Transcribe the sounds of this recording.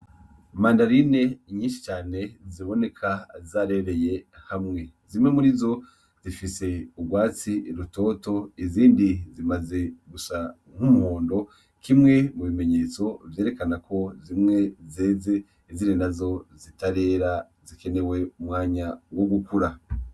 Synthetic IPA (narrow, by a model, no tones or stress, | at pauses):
maːndaɾine̞iɲiːnʃi̥t͡ʃaːne̞ziβo̞ne̞kʰazaːɾe̞ɾe̞je̞hamŋe̞ | zimŋe̞muɾizo̞ | zifise̞uɡwaːt͡siɾuto̞ːto̞iziːndizimaze̞ɡusa | ŋ̥humuhoːndo̞ | kimŋe̞muβime̞ɲe̞ːt͡so̞vjeːɾe̞kanakʰo̞zimŋe̞zeːze | iziɾinazo̞zitaɾe̞ːɾa | zikene̞we̞umŋaːɲawo̞ɡukuɾa